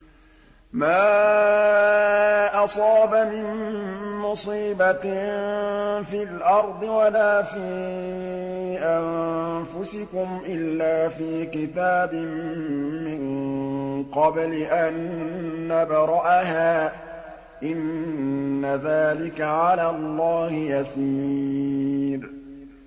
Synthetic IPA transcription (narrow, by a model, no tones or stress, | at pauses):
maː | ʔɑsˤɑːbamɪnmʊsiːba | filʔɑɾˤd̪ˤɨwalaːfiː | ʔanfʊsɪkʊmʔɪlːaːfiːkɪt̪aːbɪmː | ɪŋ | qɑblɪʔanː | abɑɾˤɑʔaɦaː | ʔɪnː | aðaːlɪkaʕalaːlˤːɑːhɪjasiː | ɾ